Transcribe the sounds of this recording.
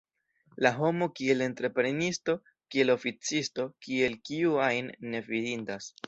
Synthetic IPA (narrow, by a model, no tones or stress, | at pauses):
laɦo̞mo̞kie̞le̞ntɾe̞pɾe̞nisto̞ | kie̞lo̞fit͡sisto̞kie̞lkiuajnːe̞vidindas